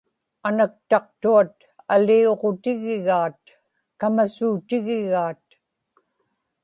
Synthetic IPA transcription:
anak̚t̪ɑq̚t̪uat̪ | alioʁo̞t̪ɪɣɪɣaːt̪̚ | kamasuːt̪ɪɣɪɣaːt̪̚

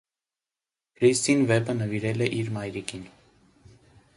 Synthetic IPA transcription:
kʰɾist̪invɛbənəviɾɛlɛʔiɾmajɾikin

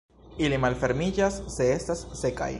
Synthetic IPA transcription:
ilimalfe̞ɾmid͡ʒasːe̞e̞stasːe̞ka̰j

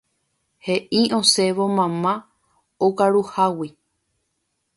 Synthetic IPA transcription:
he̞ʔiʔõseʋo̞mãmã | okaɾuhawi

